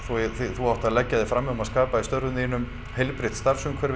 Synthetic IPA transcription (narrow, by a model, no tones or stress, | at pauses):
θuθiθuawht̪aðlɛcːaðɪfɾamːɛɣʊmaðskaːpaist̪œɾðʏninːʏm | hejlpɾɪht̪st̪aɾsʏŋkʰfvɛɾ